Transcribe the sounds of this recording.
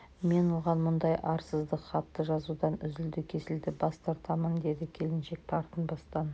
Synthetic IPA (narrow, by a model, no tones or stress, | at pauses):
me̞nolˠʁɑnmʊnd̪ɑjʔɑɾsəzd̪əqχɑt̪ːəʒɑzud̪ɑnʏzɪld̪ɪkʲʰe̞sɪld̪ɪbɑst̪ɑɾt̪ʰɑmənd̪e̞d̪ɪkʲʰe̞lɪnʃe̞k̚t̪ʰɑɾt̪ənbɑst̪ɑn